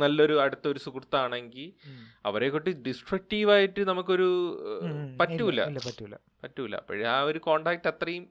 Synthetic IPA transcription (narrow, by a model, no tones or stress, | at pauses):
nɐlːɐoɾuɐɽut̪ːɐo̞ɾusukrt̪ːɐaːɳeŋɡilɐ̰ʋɐɾe̞kːoʈːɨɖisʈrɐk̚ʈiːʋaːjiʈːɨnɐmukːo̞ɾu | pɐtːuilːɐ̰ɐtːlːɐ | pɐtːuʋilːɐ̰pːɐ̰ɻiaːoɾuko̞ːɳɖaːk̚ʈːɐt̪rɐjum